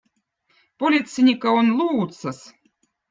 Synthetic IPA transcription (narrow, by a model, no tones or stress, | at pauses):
polʲit̪sɨnʲikaonlˠuːt̪sɐs